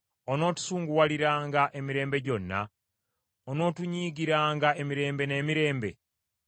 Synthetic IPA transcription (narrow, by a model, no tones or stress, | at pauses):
ono̞ːtu̥suːŋɡuwaliɾaːŋɡaʔe̞miɾe̞ːmbe̞ɟo̞nːa̰ | ono̞ːtuɲiːɡiɾaːŋɡaʔe̞miɾe̞ːmbe̞ne̞ːmiɾe̞ːmbe̞̰